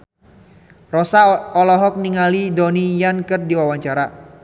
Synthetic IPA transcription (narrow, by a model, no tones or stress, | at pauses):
rɔsaɔlɔɦɔk̚niŋalidɔnijankɨrdiwawaɲt͡ʃaɾa